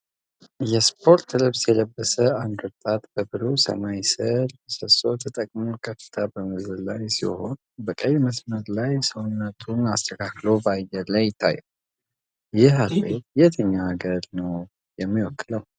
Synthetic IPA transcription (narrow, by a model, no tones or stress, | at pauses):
jɛspʰo̞ɾt̪ːlɨβsjɛləbːəsəand̪wɔt̪ʼat̪b̥əbɨlusə̰majsələsəso̞t̪ʰət̪ʼəkʼmukʰəfɨ̥t̪ʰabəmɨzɨlajsḭho̞n | bəkʼəjməsməɾlajsəwnːət̪ʰunast̪ʰəkʰaklo̞bajɛlajɪt̪ʰːa̰jɛ | jɪhalejet̪ʰəɲːaːɡəɾnəw | jɛmːiwɔkːɨləw